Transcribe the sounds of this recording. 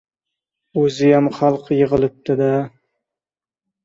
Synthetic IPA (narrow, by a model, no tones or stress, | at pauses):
ɵzɪjamχɑlˠqʰjɪʁɨlˠɪp̚t̪ʰɪd̪a